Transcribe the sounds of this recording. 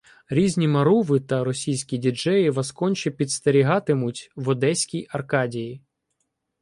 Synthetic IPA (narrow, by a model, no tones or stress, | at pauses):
ɾʲizʲnʲimɐɾuʋɪt̪ɐɾɔsʲijsʲkʲidʲid͡ʒɛjɪʋɐskɔnʲt͡ʃipʲid̪st̪eɾʲiɦɑt̪ɪmʊtʲʋɔd̪ɛsʲkʲijɐrkɑdʲiji